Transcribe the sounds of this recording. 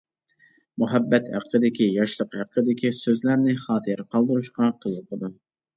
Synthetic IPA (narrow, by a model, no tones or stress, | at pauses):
muɦɛbːɛt̪hæ̰qʰːəd̪ɪkʲijɑʃlˠəqhæqʰːəd̪ɪkʲisøzlæɾnɪχɑːt̪ʰɨɾqʰɑlˠd̪ɨɾuʃqɑqʰəzəqʰəd̪u